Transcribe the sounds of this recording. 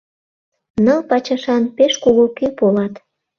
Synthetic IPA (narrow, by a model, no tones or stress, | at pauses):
nɤlpɑt͡ɕɑʃɑnpeʃkuɣokypolɑt̪